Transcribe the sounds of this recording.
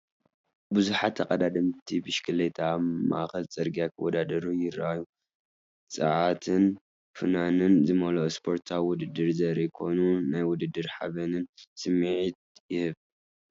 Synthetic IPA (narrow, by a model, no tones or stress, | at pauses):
buzuħat̪ʰːɐkʼɐd̪ad̪ɐmt̪ʰibɨʃkʰɨlet̪ʰama̰ʔxɐlt͡sʼɐɾɡijakʰɐwɔd̪ad̪ɐɾujɪɾaju | t͡sʼɨ̰ʕat̪ʰɨn | fɨnanɨnzɨmɐlospʰo̞ɾt̪ʰawwʊd̪ɨd̪ːɨɾzɐɾikʰo̞nunajwʊd̪ɨd̪ːɨɾħa̰βɐnɨnsɨmiʕit̪̚jɪhɨβ